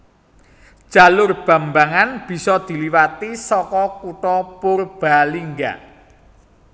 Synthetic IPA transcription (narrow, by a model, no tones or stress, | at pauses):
d̥ʒ̥a̤lʊrb̥a̤mbaŋanb̥i̤sɔd̪̥i̤liwat̪isɔkɔkuʈɔpʊrb̥aliŋɡa̰